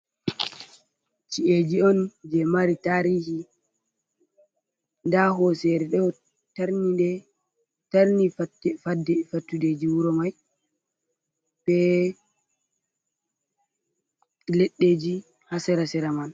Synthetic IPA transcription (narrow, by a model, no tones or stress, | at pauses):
t͡ʃiʔed͡ʒiɔnd͡ʒɛmaɾitaɾiːhi | ndaɦɔsɛɾɛɗɔ | taɾnidɛ | taɾnifatɛfadːɛfatːuded͡ʒiwuɾɔmaj | b̥ɛ | leɗːed͡ʒi | hasɛɾasɛɾaman